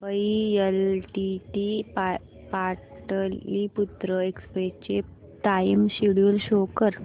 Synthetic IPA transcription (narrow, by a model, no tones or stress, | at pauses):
ʋəielʈiʈipa | paʈəliput̪ɾəekspet͡ɕe | t̪aimɕiɽjulɕokəɾ